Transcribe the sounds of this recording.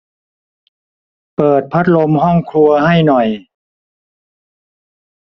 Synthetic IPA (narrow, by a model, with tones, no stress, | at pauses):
pɤː˨˩t̪̚pʰa˦˥t̪̚lo˧mɦɔ˥˩ŋkʰlu˧ɐha˥˩jnɔ˨˩j